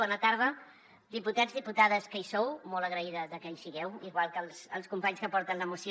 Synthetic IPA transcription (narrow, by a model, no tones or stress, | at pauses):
ɔnət̪aɾð̞ə | d̪iput̪azðiput̪að̞əskəisowmɔləɣɾəiðəzðəkɛnsiɣɛwiɣwalˠkəlˠsə̰lˠskumpaɲskəpɔɾt̪ənləmusi